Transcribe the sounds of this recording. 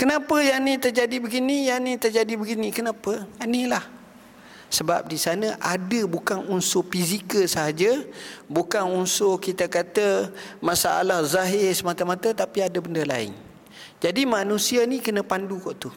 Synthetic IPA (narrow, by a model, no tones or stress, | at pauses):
kənãpəjanit̪ərd͡ʒadibəɡinijanit̪ərd͡ʒadibəɡinikənãpənilah | səba̰p̚disanəʔadəbukanunsʊhfizikəlsəɦad͡ʒəbukanunsʊhkit̪akat̪əmãsaʔa̰lahzaɦɪsəmat̪əmat̪ət̪apiadəbəndəla̰ɪ̰ŋ | d͡ʒadimanũsianikənə̃pandukɔʔt̪u